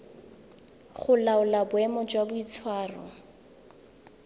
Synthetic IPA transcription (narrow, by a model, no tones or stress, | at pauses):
χʊlaʊlabʊɛmɔd͡ʒwabʊit͡sʰwaːrɔ̰